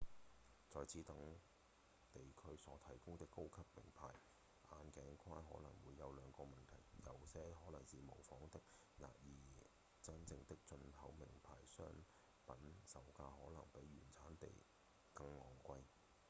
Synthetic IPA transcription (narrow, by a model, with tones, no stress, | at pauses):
t͡sɔː˨˧jt͡sʰiː˨˥t̪ɐ˨˥ŋ | t̪e˨jkʰɵ˥ɥsɔː˨˧˥t̪ʰɐ˨˩jkʊ˥ŋt̪ɪ˥kːo˥wkʰɐ˥pːɪ̰˨˩ŋpʰa̰ː˨˩j | ʔaː˨˧nkɛː˨˥ŋkʰaː˥nɦɔ̰ː˨˥lɐ˨˩ŋwuː˨˧jːɐ˨˧wlœː˨˧ŋkɔː˧mɐ˨nt̪ʰɐ̰˨˩jjɐ˨˧wsɛː˥ɦɔː˨˥nlɐ˨˩ŋsiː˨mo˨˩wfɔː˨˥ŋt̪ɪ˥k̚ | na̰ː˨t̚jiː˨ | t͡sɐ˥nt͡sɪ˧ŋt̪ɪ˥k̚t͡ʃɵ˧nhɐ˨˥wmɪ˨˩ŋpʰaː˨˩jsœː˥ŋ | pɐ˨˥nsɐ˨˩wkaː˧hɔː˨˥lɐ˨˩ŋpe˨˥jːyː˨˩nt͡sʰaː˨˥nt̪ḛ˨j | kɐ˧ŋlɔː˨˩ŋkʷɐ˧j